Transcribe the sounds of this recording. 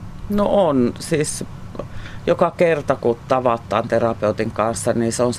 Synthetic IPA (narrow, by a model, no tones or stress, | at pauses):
noonsiːs | jokɑkert̪ɑkut̪t̪ɑʋɑt̪ːˑɑ̰ːnt̪erɑpeut̪iŋkɑnsːɑniːseons